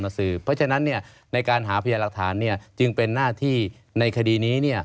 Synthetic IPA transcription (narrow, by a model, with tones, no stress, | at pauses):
mna˧˥ŋsɯː˨˩pʰɔ˦˥t͡ɕʰa˧na˦˥nːi˥˩ɐ | na˧jkaː˧nɦaː˩˦pʰa˧jaː˧la˨˩k̚t̪ʰaː˩˦nːi˥˩ɐt͡ɕɯ˧ŋpe˧nːaː˥˩t̪ʰiː˥˩ | na˧jkʰa˧diː˧niː˦˥ni˥˩ɐ